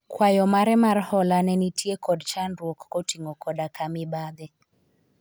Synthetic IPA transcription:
kwajɔmaɾɛmarhɔlanɛnitiekɔdt͡ʃandwokːotiŋɡɔkɔdakamɪbad̪ɪ

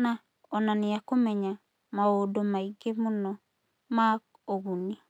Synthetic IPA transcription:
na | ɔnanɪakomɛɲa | maodomaiɡemonɔ | ma | oɣuni

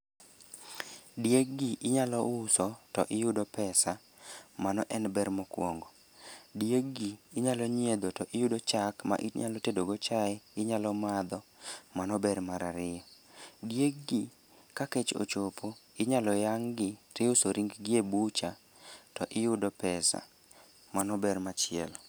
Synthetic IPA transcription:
dijeɡiʔɪɲalɔʊsɔtɔ̰ʔɪjʊdɔpɛsa | manɔʔɛnbɛɾmɔkwɔŋɡɔ | djeɡiːɲalɔɲed̪otɔʔɪjudot͡ʃakma̰ʔiɲa̰lɔtedoɡot͡ʃaɛɪɲalɔmad̪ɔmanɔbɛɾmaɾaɾɪjɔ | djek̚ɡi | kaket͡ʃo̰t͡ʃopʰo | ɪɲalɔjaŋɡɪɾɪʊsoɾiŋɡɡɪebut͡ʃa | tɔʔɪjʊdɔpɛsa̰ | manɔbɛɾmat͡ʃɪɛ̰l

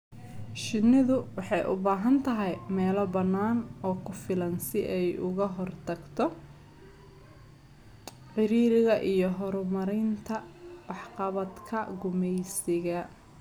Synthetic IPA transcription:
ʃɪnɪðʊwɑħɑjʔʊ̰baːɦɐnt̪ʰɐɦɛjmɛːlɔbɐnːaːnɔːkʰʊfɪlɐnsɪʔɛjʊɣɐɦɔrt̪ʰɐɡt̪ʰɔ | ħɪɾiːɾɪɣɐʔijɔɦɔɾɔmɐɾɪnt̪ʰɐwɑħqɑβɐd̪kʰɐɡʊmɛjsɪɣɐ

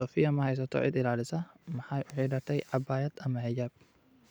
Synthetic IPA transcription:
ɔːfɪjːɐmɐhɐjs̬ɐt̪ʰɔ̰ʕɪ̰d̪ɪlaːlɪsɐmɐħajwʊħiːɖɐɾt̪ʰɛjʕɑbaːjɐd̪ɐmɐhɛd͡ʒɐːb̚

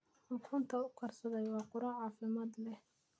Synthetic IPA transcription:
ħʊkʰʊnt̪ʰɐʊkʰɐrsɐðɛjwɑːqʊɾɐʕɑːfɪmaːd̪lɛh

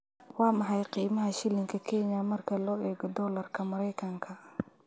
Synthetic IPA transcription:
wɑːmɑħɑjqiːmɐɦɐʃɪlɪŋkʰɐkʰɛɲɐmɐrkʰɐlɔːɛːɡɔd̪ɔːlɐrkʰɐmɐɾɛjkʰɐŋkʰɐ

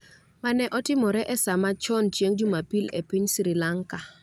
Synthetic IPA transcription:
manɛʔɔtɪmɔɾɛʔɛsamat͡ʃɔnt͡ʃjeŋd͡ʒʊmapilɛ̰piɲsɾɪlaŋka

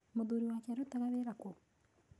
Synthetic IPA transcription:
moðoːɾiwaːkeaɾotaɣaβeɾako

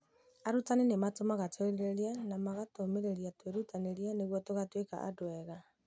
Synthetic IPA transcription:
aɾutanenematomaɣatʰɔɾiɾeɾjanamaɣatomeɾeɾiatweɾutaneɾianeɣwɔtoɣatweka̰ʔa̰dwɛɣa

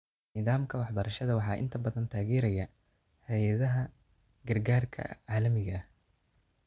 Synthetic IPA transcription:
nɪðaːmkʰɐwɑħbɐɾɐʃɐðɐwɑħɑːʔɪ̰nt̪ʰɐbɐðɐnt̪ʰaːɣɛːɾɐjɐ | hɛjɐðɐɦɐ | ɡɐrɡaːrkʰɐ̰ʕaːlɐmɪɣɐ

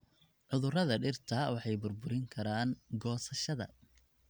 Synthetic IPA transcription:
ʕʊðʊrɐðɐɖɪrt̪ʰɐwɑħɑjbʊrbʊɾɪŋkʰɐɾaːŋɡɔːsɐʃɐðɐ̰

